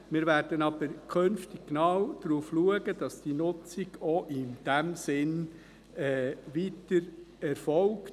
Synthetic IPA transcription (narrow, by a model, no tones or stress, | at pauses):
mɪːɾʋæɾd̥ənɑbəɾkʰønftɪɡ̥̚knɑwd̥̪ɾuːfluəɡəd̥ɑsd̥iːnʊt͡siɡɔʔɪnd̥æmsɪn | ɛʋiːtəɾɛɾfɔlk